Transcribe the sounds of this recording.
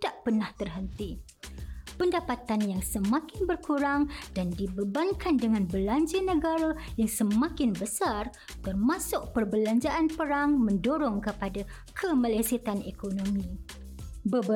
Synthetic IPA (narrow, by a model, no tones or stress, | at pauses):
daʔpərnaht̪ərɦənt̪i | pəndapat̪anjaŋsəmãkɪnbərkuɾaŋdandibəbankandəŋãnbəlaɲd͡ʒənə̃ɡaɾajaŋsəmãkɪnbəsar | t̪ərmãsʊʔ̚pərbəlaɲd͡ʒaʔanpəɾaŋmə̃ndoɾɔŋkəpada | kʰəmalajsit̪anekonõmĩ | bə